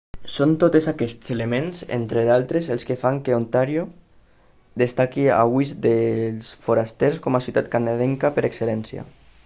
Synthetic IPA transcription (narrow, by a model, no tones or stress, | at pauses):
sont̪ot̪ezakɛst̪selemenzḛnt̪ɾeðalˠt̪ɾezelˠskefaŋkeont̪aɾjo | d̪est̪akia̰βujzd̪elsfoɾast̪ɛɾskɔmasiut̪at̪̚kanaðɛŋkapeɾekselɛnsja̰